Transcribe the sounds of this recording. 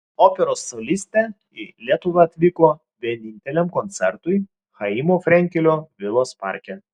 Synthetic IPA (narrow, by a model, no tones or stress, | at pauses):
oːpʲɛɾoːsːolʲisʲt̪ʲɛ | ɪlʲiɛt̪ʊʋɐɐt̪ʲʋʲikoː | ʋʲiɛnʲɪnʲt̪ʲɛlʲɛmkɔnʲt̪sʲɛɾt̪ʊj | xɐimoːfʲɾʲɛŋʲkʲɛlʲoːʋʲɪlˠoːspɑ̰ˑɾʲkʲɛ